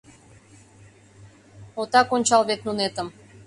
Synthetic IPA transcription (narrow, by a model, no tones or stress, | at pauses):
ot̪ɑkonʲt͡ɕɑlˠβet̪nunet̪əm